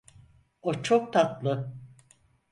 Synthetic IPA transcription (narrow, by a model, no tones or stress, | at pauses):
ot͡ʃʰok̚t̪ʰat̪lˠɯ